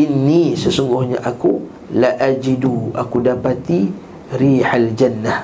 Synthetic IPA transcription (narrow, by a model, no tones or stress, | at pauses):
ʔinːisəsuŋɡʊhɲã̰ʔaku | laʔad͡ʒiduʔa̰kudapat̪i | ɾiħald͡ʒanːah